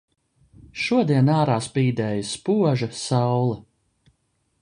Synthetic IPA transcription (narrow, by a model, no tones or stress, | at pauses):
ʃuɔd̪iɛnaːɾaːspiːd̪ɛːjspuɔʒɐsawlˠɐ